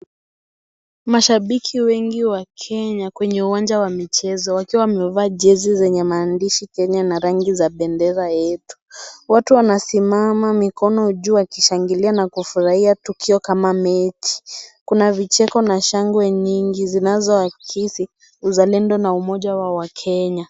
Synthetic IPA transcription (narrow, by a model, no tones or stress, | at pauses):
maʃaɓikʰiwɛŋɡiwakʰɛɲakwɛɲɛuwand͡ʒawamit͡ʃɛzɔwakiwawamɛvaːʄɛzizɛɲɛmaːndiʃikɛɲanaɾaŋɡizaɓɛndɛzajɛtu̥watuwanasimamamikʰɔnɔuʄuːakiʃaŋɡilianakufuɾahiatukʰiɔkamamɛti̥kunavit͡ʃɛkɔnaʃaŋɡwɛɲiŋɡizinazɔakʰisi | uzalɛndɔnaumɔʄawawakʰɛɲa